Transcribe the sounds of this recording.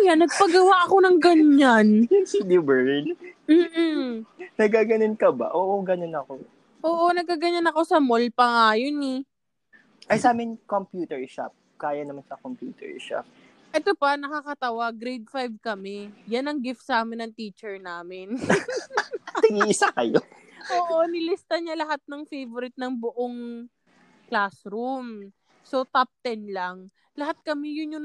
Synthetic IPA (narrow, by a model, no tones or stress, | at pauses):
ʔjanɐɡ̚pɐɡɐwaʔɐko̞nɐŋɡɐnɲːand̪ibɛɹɪnm̩ːnɐɡ̚kaɡɐnonkɐba̰ʔoːʔoɡɐnonɐko | ʔoːʔo̞nɐɡ̚kaɡɐɲanɐko̞sɐmolpɐŋaːjonɛ | ʔɐjsaːmɪnkompjuːt̪ɛɹʃa̰p̚ | kaːjɐnɐmansɐkompjuːt̪ɛ̰ɹʃa̰p̚ | ʔɛt̪opɐnɐkakɐt̪ɐwaɡɾejd̪̚fajvkɐmɛjɐnɐŋɡɪft̪sɐaːmɪnːɐŋt̪iːt͡ʃɛɹnaːmɪn | t̪ɐɡiʔɪsakɐjoʔoːʔonɪlɪst̪ɐɲɐlɐɦat̪̚nɐŋfejvoɾɪt̪̚nɐŋbʊʔoŋ | klasɾum | sot̪ap̚t̪ɛnlɐŋ | lɐɦat̪̚kɐmɛjʊnjʊ